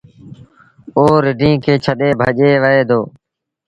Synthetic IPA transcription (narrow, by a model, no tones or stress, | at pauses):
oːɾɪɖʱĩːkeːt͡ʃʰəɗ̪eːbʱəʄeːʋəɦeːd̪ʱoː